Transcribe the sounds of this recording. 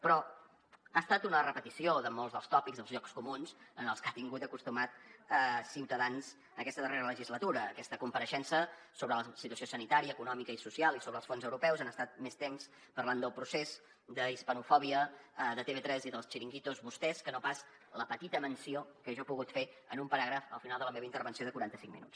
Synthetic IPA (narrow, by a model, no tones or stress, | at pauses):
pɾɔ | ast̪at̪unərəpət̪isioðəmolˠzðəlˠst̪ɔpikɡzðəlˠzʎɔkskumunzənəlˠskat̪iŋɡut̪əkust̪umat̪̚əsiwt̪əðanz | əkɛst̪əðəreɾələʒizlət̪uɾəːkɛst̪əkumpəɾəʃɛnsəsoβɾələsit̪uəsjosənit̪aɾiəːkunɔmikəisusialˠisoβɾəlˠsfonzəwɾupɛwzanəst̪at̪̚mest̪ems | pərland̪əlˠpɾusez | d̪əispənufɔβiəðət̪eβet̪ɾɛziðəlˠst͡ʃiɾiŋɡit̪uzβust̪ɛskənopaz | ləpət̪it̪əmənsiokəeʒɔpuɣut̪fe | ənumpəɾaɣɾəfə̰lˠfinalˠd̪ələmeβəint̪əɾβənsioðəkuɾant̪əsiŋmḭnut͡s